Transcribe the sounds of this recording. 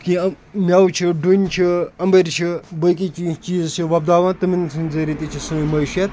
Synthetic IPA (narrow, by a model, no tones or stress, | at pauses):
ki | mʲɐwt͡ʃʰiɖunʲt͡ʃʰiɐmbəɾt͡ʃʰibɐjkit͡ʃit͡ʃiːzt͡ʃʰiʋɐb̚d̪aːʋaːnt̪ɨminsʰɨnzɐɾit̪it͡ʃʰisɨmɐjʃjɐt̪